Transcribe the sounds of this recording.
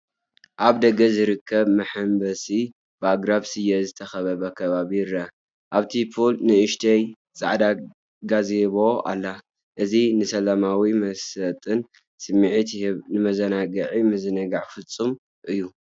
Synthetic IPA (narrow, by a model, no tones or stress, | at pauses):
ʔaβd̪ɐɡɐzɨɾɨkʰːɐβmɐħɨmbɐsi | baɡɾaβsɨjɐzɨt̪ʰɐxɐβɐβɐkʰɐβaβiɾɐ | ʔaβt̪ʰipʰolnɨɨʃt̪ʰɐj | zʼa̰ʕd̪a | ɡazeβo̞a̰lːa | ʔɨzinɨsɐlamawimɐsɐt̪ʼɨn | sɨmːiʕit̪ʰhβnɨmɐzɐnaɡɐʕimɐzɨnɐɡaʕfɨt͡sʼːum | ʔɨjːu